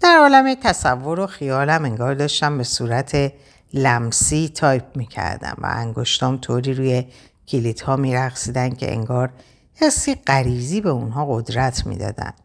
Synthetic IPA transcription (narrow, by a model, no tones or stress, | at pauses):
d̪̥æɾɒːlæmet̪ʰæsævːo̞ɾoxijɒːlæme̞ŋɡɒːɾd̪ɒːʃt̪æmbe̞suːɾæt̪ʰe | læmsiːt̪ʰɒːjp̚ʰmiːcʰæ̰ɾd̪æ̰nvæ̰æ̰ŋɡo̞ʃt̪ɒːmt̪ʰoːɾiːɾuːje | cʰilit̪hɒːmiːɾæxsiːd̪ænkʰe̞̰ʔḛŋɡɒːɾ | hesːiːɢæɾiːziːbe̞unɦɒːɣo̞d̪ɾæt̪ʰmḭːd̪ɒ̰ːd̪æ̰n